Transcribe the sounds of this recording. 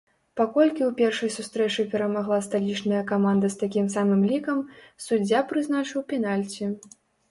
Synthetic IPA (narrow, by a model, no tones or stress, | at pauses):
pakɔlʲkʲiwpʲɛrʂɐjsust̪ɾɛt͡ʂɨpʲɛɾɐmaɣlˠast̪alʲit͡ʂnɐjɐkamand̪ɐst̪akʲimsamɨmlʲikɐmsud͡zʲːapɾɨznat͡ʂɨwpʲɛnalʲt͡sʲi